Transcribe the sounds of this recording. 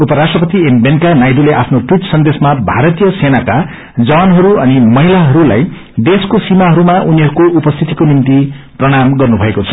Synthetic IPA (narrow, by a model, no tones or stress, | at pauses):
upʌɾasʈrʌpʌt̪iembenkanajɖuleʔapʰnoʈwiʈsʌnd̪esmabʱaɾʌt̪ijʌsenaka | d͡zʌwanɦʌɾuʌnimʌɦilaɦʌɾula̰j | d̪eskosimaɦʌɾumaʔuniɦʌɾukoupʌst̪ʰit̪ikonimt̪i | prʌɽ̃amɡʌrnubʱʌekot͡sʰʌ̥